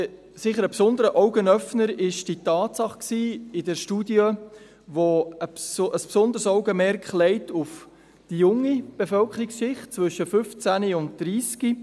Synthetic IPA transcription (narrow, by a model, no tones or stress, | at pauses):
sɪχəɾəpsʊnd̪əɾəʔɔʊɡənœfnəɾɪʃd̥itɑːtsɑχksiːɪdɛɾʃtudjə | ʋoəsʔəspsʊnd̪əɾsɔʊɡəmɛɾkχlɛɪtʊf | d̥ijʊŋːib̥efœlkχəɾiksʃɪχt̚t͡svɵʃəfʏft͡sæniʊnt̚d̪̥ɾiːski